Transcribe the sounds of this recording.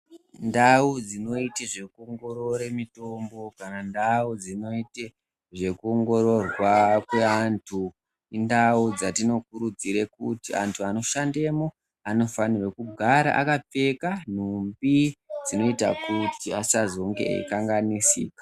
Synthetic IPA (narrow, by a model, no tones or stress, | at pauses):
ndaud͡zino̞iteʐe̞kuoŋɡo̞ɾo̞ɾe̞mito̞mbo̞kanandaud͡zino̞ite | ʐe̞kuoŋɡo̞ɾo̞rwakwe̞antʰu | ndaud͡zatino̞kuɾud͡ziɾe̞kutia̰ntʰuano̞ʃandemo̞ | ano̞fanirwekuɡʱaɾa̰ʔa̰kap͡fe̞kan̤umbid͡zino̞ita̰kutiasazo̞ŋɡḛḛḭkaŋɡanisḭːkḁ